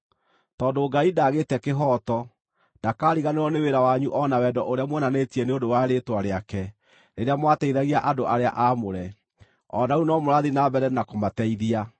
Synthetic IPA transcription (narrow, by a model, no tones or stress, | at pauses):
tɔːdoɡaidaːɣeːtɛkeɦɔːtɔ | d̥akaːɾiɣaneɾɔneweɾawaɲuʔɔnawɛdɔʔoɾeamwɛnanetiɛneondowaɾetwaɾeakɛ | ɾeɾeamwatɛiðaɣiaʔadoʔaɾeaʔamoɾɛ | ɔ̰naunɔmoɾaðinabɛɾɛnakomatɛiðia